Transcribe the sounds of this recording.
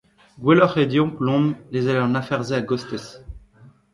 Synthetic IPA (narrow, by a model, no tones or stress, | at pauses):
ɡwelɔχed̪jɔ̃plɔ̃mlezaleɑ̃nafɛʁzeaɡɔst̪ɛs